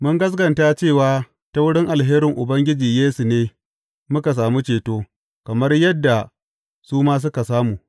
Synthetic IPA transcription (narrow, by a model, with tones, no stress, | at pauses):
mʊ˦ŋɡɐ˦s̬ɡɐ˨nta˦t͡ʃeː˦˨waː˦ | ta˦wʊ˦ɽɪ˦ŋʔa˨lɦeː˦ɾɪ˨ŋʔʊ˨bɐ˦ŋɡʲɪ˦d͡ʒiː˨jeː˦su˨neː˦ | mʊ˦ka˨s̬aː˨mu˦t͡ʃeː˨toː˦ | kɐ˨mɐ˦rjɐ˦dːa˨ | suː˦maː˦s̬ʊ˦ka˨saː˦muː˨